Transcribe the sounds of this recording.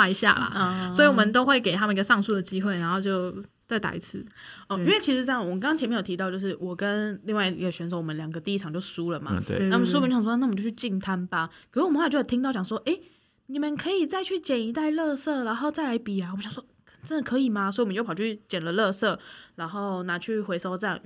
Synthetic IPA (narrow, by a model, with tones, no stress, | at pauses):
a˥˧i˧˥ɕja̰˥˨˩lə̰˩˧˩sɔ˧˥i˨˩wɔ˨˩mə˨nt̪o˥ʊxwe˥˩ɪke˨˩ɪt̪ʰa˥mə˨ni˧˥ɡə˧ʂɑ˥˧ŋsu˥˩d̪ə˨˩t͡ɕi˦xwe˥ɪna˧˥nxo˥˧ʊt͡ɕjo˥˧ʊ | t͡sa˥˩ɪt̪a̰˨ḭ˧˥t͡sʰɹ̩˥˩ | ɔ˥˧i˥nwe˥˩ɪt͡ɕʰi˧˥ʂɻ̩˧˥ʈ͡ʂɤ˥ŋ˨wə˧˩kɑ˥kɑ˥ŋt͡ɕʰɛ˧mjɛ˥˧˨jo˨˩t̪ʰi˧ɑ˥˧ʊt͡ɕjo˥˧ʊʂ̩˥˩wɔ˨˩kə˦nli˥˧ŋwa˥˩˧ḭ˧ɡə˧˩ɕɥɛ˧˥nʂ̬o˧˩ʊwɔ˨˩ə˦nljɑ˨˩ŋɡə˦t̪i˥˧i˥ʈ͡ʂʰɑ˨ŋt͡ɕjo˥˩ʊsu˦lə˨ma̰˧na˥˩˨ə˨nsu˥psna˥˩˨t͡ɕo˥˧t͡ɕʰy˥˧t͡ɕi˥˧nt̪ʰa˦˥nba˨kʰo˨˩wwmə˦wa˥˩˨t͡ɕo˥˩˨t̪ʰi˥ŋt̪ɑ˥˩ʊt͡ɕɑ˨˩ŋswɔ˥ʔe˥ɪ | ni˨˩mə˨˦nkʰɤ˧˥i˨˩t͡sa˥˧ɪt͡ɕʰy˥˩t͡ɕjɛ˨˩ni˧˥t̪a˥˧ɪlɤ˥˧sɤ˥˩a˧˥nxo˥˧ʊt͡sa˥˩ɪla˧˥ɪpi˨˩a˨˩wmə˦ɕɑ˨ŋswɔ˥kʰn˩t͡sə˦˥nd̪ə˨kʰɤ˧˥i˨˩ma˩so˧˥˨wm˦jo˥˩˨t͡ɕy˥˨˩t͡ɕjɛ˨˩nlə˦lɤ˥˧sɤ˥˩la˧˥nxo˥˩ʊna˧˥t͡ɕʰy˥˩xwe˧˥ɪso˥ʊʈ͡ʂɤ˥˧jɑ̰˥˨˩ŋ